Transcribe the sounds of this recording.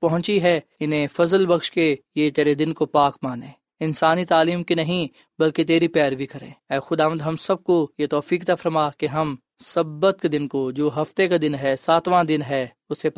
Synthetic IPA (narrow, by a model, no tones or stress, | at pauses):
pɐɦʊ̃t͡ʃiɦɛːɪnɦẽfɐzəlbɐkʃkejet̪eːɾed̪ɪnkopaːkmaːnẽː | ɪnsaːnit̪aːliːmkinɐɦĩ | bɐlket̪̬eːɾipɛːɾbʱikɐɾḛ̃ːɛːxʊd̪aːʋə̃nd̪ɦɐmsɐb̚kojet̪ɔːfiːkt̪afɐɾmakeɦɐm | sɐbːət̪̚ked̪ɪnkod͡ʒoːɦɐft̪ekad̪ɪnɦɛsaːt̪ʋãd̪ɪnɦɛː | ʊse